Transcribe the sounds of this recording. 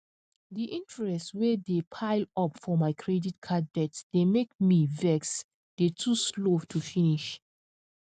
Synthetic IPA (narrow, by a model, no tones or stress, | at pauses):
diʔĩntɹɛstwɛdepʰaɪlɔpfɔmaɪkʰɹɛditkʰad̚bɛtsd̥emek̚mivɛks | d̥etʰusloftʰufiniʃ